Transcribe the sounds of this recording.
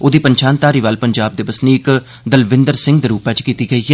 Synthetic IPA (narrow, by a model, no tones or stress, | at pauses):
oːd̪iːpəɲʃaːnt̪aːɾiːʋaːlpəɲd͡ʒaːb̚d̪eːbəsniːɪk | d̪əlʋɪnd̪əɾsɪ̃ŋɡd̪eːɾuːpɛ̃ːt͡ʃkiːt̪iːɡəiːɦɛː